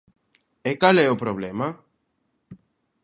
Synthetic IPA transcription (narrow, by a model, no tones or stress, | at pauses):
ekalɛopɾoβlema